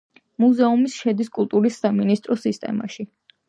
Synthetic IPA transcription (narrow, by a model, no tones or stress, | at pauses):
muzɛumisʃɛd̪iskʼulˠt̪ʼuɾisːaminist̪ʼɾɔsist̪ʼɛ̰ma̰ʃi